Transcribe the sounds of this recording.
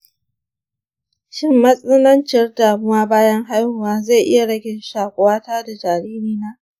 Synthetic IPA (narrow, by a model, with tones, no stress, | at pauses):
ʃɪ˦mːɐ˦sʼɐ˦nɐ˦nt͡ʃɪ˨rdaː˨mʊ˦waː˦baː˦jɐ˦ŋɦa˦jhʊ˨waː˦za˦˨jʔɪ˦ja˨ɽɐ˦ɡʲɪ˦nʃaː˨kʷʼʊ˨waː˦taː˦da˨d͡ʒaː˨ɾiː˦ɾiː˦naː˦ʔ